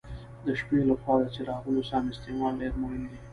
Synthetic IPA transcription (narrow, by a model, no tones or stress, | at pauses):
d̪əʃpelaxwɑd̪at͡ʃeɾɑwəlosɑmɪst̪emɑlɖeɾmoɦɪnd̪i